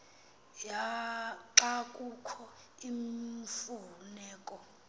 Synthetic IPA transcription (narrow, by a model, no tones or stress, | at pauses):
jaǁakʼukʰɔ | iɱfunɛːkʼɔ